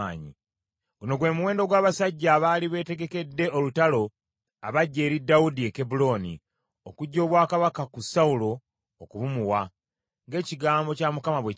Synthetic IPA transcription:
aːɲḭ | ɡuno̞ɡwe̞ːmuwe̞ːndo̞ɡwaːβasaɟːaːβaːliβe̞ːte̞ɡe̞ke̞dːe̞o̞lutalo̞ | aβaɟːe̞ːɾidːawudieke̞bulo̞ːnḭ | okuɟːo̞ːβwaːkaβakakusaulo̞ː | kuβumuwa | ŋɡe̞ːciɡaːmbo̞camukamaβwe

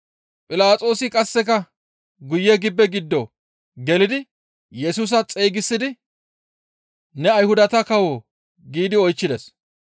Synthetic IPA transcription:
pʼɪlaːt͡sʼo̞ːsɪkʼɐsːɛkɐ | ɡʊjːɛɡɪbːɛɡɪd̪ːɔ | ɡɛlɪd̪ɪ | jɛsuːs̬ɐt͡sʼeːɡɪsːɪd̪ɪ | nɛɐjhʊd̪ɐt̪ɐkɐwoː | ɡiːd̪ɪɔjt͡ʃːɪd̪ɛs

